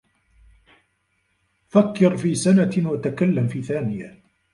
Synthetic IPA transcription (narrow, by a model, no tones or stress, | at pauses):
fakːɪɾfiːsanawat̪akalːamfiːθaːnɪja